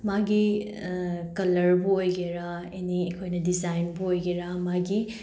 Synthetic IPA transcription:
maɡi | kɐlɐɾbuojɡeɾa | eniekʰojnɐdizajnbuojɡeɾamaɡi

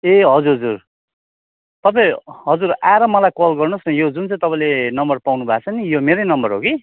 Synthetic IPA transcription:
eɦʌd͡zuɾɦʌd͡zur | t̪ʌp̬aj̃ɦʌd͡zura̰ɾʌmʌlajkolɡʌrnʌsnʌjod͡zunt͡sʌ̃j̃t̪ʌpãĩlenʌmbʌrpawnubʱat͡sʰʌnijomeɾʌjnʌmbʌrɦoki

